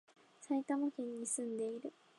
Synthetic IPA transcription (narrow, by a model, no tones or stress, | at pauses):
sait̪amokʲẽɲ̟ːisɨ̃nd̪e̞iɾɯ̟